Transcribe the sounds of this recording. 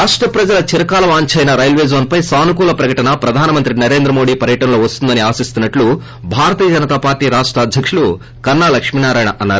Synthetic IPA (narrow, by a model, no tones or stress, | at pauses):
ɾaːʂʈɾɐpɾɐd͡ʒɐlɐt͡ʃiɾɐkaːlɐʋaːɲt͡ʃɐjnɐɾɐjlʋeːd͡ʒoːnpɐjsaːnukuːlɐpɾɐkɐʈɐnɐpɾɐd̪ʱaːnɐmɐnt̪ɾinɐɾe̞ːnd̪ɾɐmo̞ːɽiːpɐɾjɐʈɐnɐloːʋɐst̪und̪ɐniaːsist̪unːɐʈlu | bʱaːɾɐt̪iːjɐd͡ʒɐnɐt̪aːpaːɾʈiːɾaːʂʈɾɐːd̪ʱjɐkʂulu | kɐnaːlɐkʂminaːɾaːjɳɐʔɐnːaːɾu